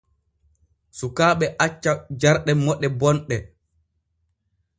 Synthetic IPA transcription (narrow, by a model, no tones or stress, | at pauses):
sukaːɓɛʔat͡ʃːad͡ʒaɾɗɛmɔɗːɛbɔnɗɛ